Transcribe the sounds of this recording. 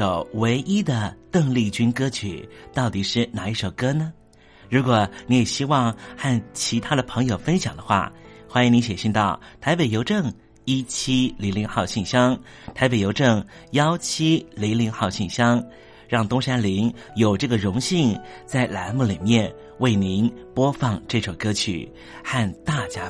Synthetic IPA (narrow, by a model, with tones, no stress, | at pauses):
o˨˩ʊwe˧˥ɪʔi˥d̪ə˨t̪ɤ˥˧ŋli˥˩t͡ɕy˥nkɤ˥t͡ɕʰy̰˨˩˦t̪ɑ˥˩ʊt̪i˨˩ʂɻ̩˥˩na˨˩i˥˩ʂo˨˩ʊkɤ˥nə˨ | ɻu˧˥kwɔ˨˩ni˧˥jɛ˨˩ɕi˥wɑ˥˧ŋxa˥˩nt͡ɕʰi˧˥t̪ʰa˥d̪ə˨pʰɤ˧˥ŋjo˨˩ʊfə˥nɕjɑ˨˩ŋd̪ə˦xwa̰˥˩xwa˥ni˧˥ŋni˧˥ɕjɛ˨˩ɕi˥˧nt̪ɑ˥˩ʊt̪ʰa˧˥ɪpe˨˩jo˧˥ʊʈ͡ʂɤ˥˩ŋ | i˥t͡ɕʰi˥li˧˥ŋli˧˥ŋxɑ˥˧ʊɕi˥˩nɕjɑ˥ŋ | t̪ʰa˧˥ɪpe˨˩ɪjo˧˥ʊʈ͡ʂɤ˥˩ŋjɑ˥ʊt͡ɕʰi˥li˧˥ŋli˧˥ŋxɑ˥˧ʊɕi˥˩nɕjɑ˥ŋ | ɻɑ˥˩ŋt̪ʊ˥ŋʂa˥nli˧˥ŋ | jo˨˩ʊʈ͡ʂɤ˥˩ɡə˩ɻʊ˧˥ŋɕi˥˧ŋ | t͡sa˥˩ɪla˧˥nmu˥˩li˨˩mjɛ˥˩n | we˥˩ɪni˧˥npwɔ˥fɑ˥˧ŋʈ͡ʂɤ˥˩ʂo˨˩kɤ˥t͡ɕʰy̰˨˩˦ | xa˥˧nt̪a˥˩t͡ɕja˥